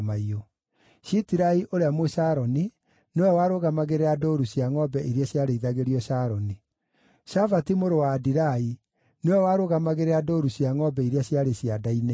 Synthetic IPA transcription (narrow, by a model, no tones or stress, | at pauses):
maio | ɕitiɾaiʔoɾeamweɕaɾɔni | nwɛwaɾoɣamaɣeɾeadoɾuɕjaŋɔbɛʔiɾjaɕjaɾeiðaɣeɾiɔɕaɾɔni | ʃavatimoɾowaːdiɾai | newɛwaɾoɣamaɣeɾeadoɾuɕjaŋɔbɛiɾeaɕjaɾeɕjadaine